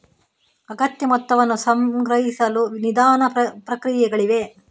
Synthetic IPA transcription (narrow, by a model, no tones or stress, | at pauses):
ɐɡɐt̪jɐmɔt̪ːɐʋɐnːusɐmɡɾɐɦisɐlunid̪aːnɐpɾɐkɾijɛɡɐɭiʋe̞